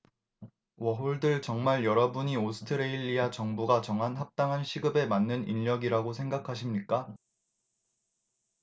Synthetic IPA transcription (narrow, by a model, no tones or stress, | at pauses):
wʌɦoɭdɯɭt͡ɕʌŋmaɭjʌɾʌbuɲiosʰɯ̥tʰɯɾeiʎːiat͡ɕʌŋbuɡat͡ɕʌŋɦanɦap̚t͈aŋɦanɕʰiɡɯbe̞manːɯniʎːʌɡiɾaɡosʰeŋɡakʰaɕ̬ʰimɲik͈a